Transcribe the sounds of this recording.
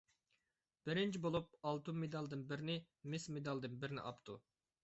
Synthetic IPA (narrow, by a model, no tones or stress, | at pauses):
b̥ɪɾɪnt͡ʃʰibolˠup̚ɑlˠt̪umed̪ɑlˠd̪ɨnbɪɾɪnɪ | mɪsmed̪ɑlˠd̪ɨnbɪɾɪnɪ̰ʔɑpt̪ʰu